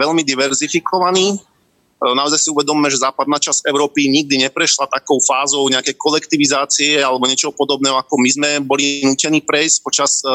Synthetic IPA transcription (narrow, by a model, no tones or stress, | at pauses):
ɛʎmid̪iʋɛɾzifikʰɔʋaniː | naɔzajsiuʋɛd̪ɔmiːmɛʒɛzaːpad̪naːt͡ʃasɛʊɾɔːpiɲiɡ̚d̪iɲɛpɾɛʃlat̪akɔʊfaːzɔʊɲɛakɛjkɔlɛkt̪iʋizaːt͡siɛalɛbɔɲɪɛt͡ʃɔɦɔpɔd̪ɔbnɛːɦɔakɔmizmɛbɔlinuːcɛniːpɾɛjsc̚pɔt͡ʃas